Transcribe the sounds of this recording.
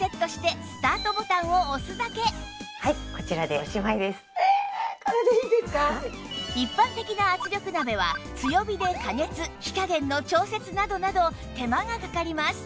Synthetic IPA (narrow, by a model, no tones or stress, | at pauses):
se̞t̪ːo̞ɕi̥t̪e̞sɨ̥t̪aːt̪o̞bo̞t̪ãɰ̃o̞ːsɨzake̞haiko̞t͡ɕiɾad̪eoɕimaid̪e̞sɨ̥kaɾad̪aiːd̪esɨ̥ka | ipːãnt̪e̞kʲinaːt͡sɨɾʲo̞kɯ̟nabe̞βa̰t͡sɨjo̞bʲid̪e̞kaŋe̞t͡sɨçʲi̥kaɡẽ̞nːo̞t͡ɕo̞ːse̞t͡sɨnad̪o̞nad̪o̞ | t̪e̞maɡakakaɾʲimasɨ̥